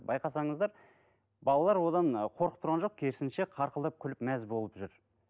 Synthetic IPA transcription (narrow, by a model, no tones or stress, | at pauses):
bɑjqɑsɑɴəzd̪ɑɾ | bɑlˠɑlˠɑɾwo̞d̪ɑɴqʰo̞ɾqə̥p̚t̪ʊɾʁɑnʒo̞q̚kʲʰe̞ɾsɪnʃe̞qʰɑɾqəlˠd̪ɑp̚kʲʰʏlɪpmæzbo̞lˠəpʒʏɾ